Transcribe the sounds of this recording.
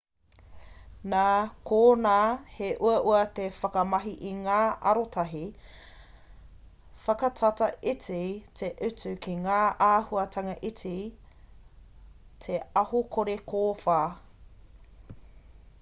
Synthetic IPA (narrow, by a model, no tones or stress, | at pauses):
naːkoːnaːheʔuɐʔuɐt̪efɐkɐmɐɦiʔiŋaːʔɐ̰ɾotʰɐɦi | fɐkɐtʰɐtɐit͡sitʰeʔʉt͡sʉkiŋaːʔaːhuɐtʰɐŋɐʔit͡si | tʰeɐhokʰoɾekʰoːfaː